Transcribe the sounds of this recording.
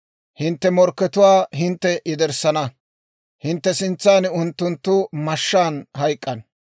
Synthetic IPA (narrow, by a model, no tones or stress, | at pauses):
hɪnt̪ːɛmɔɾkːɛt̪ʊwaːɦɪnt̪ːɛʔɪd̪ɛɾsɐnɐ | hɪnt̪ːɛsɪnt͡sːaːnɪʊnt̪ːʊnt̪ːʊmɐʃːaːnhɐjkʼːɐn